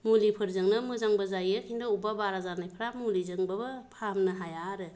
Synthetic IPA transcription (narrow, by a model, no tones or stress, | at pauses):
mulipʰɯɾzɯŋnɯmɯzaŋbazajɯkʰindaubabaɾazanajpʰɯɾamulizɯŋbabɯpʰamnɯɦajaɾɯ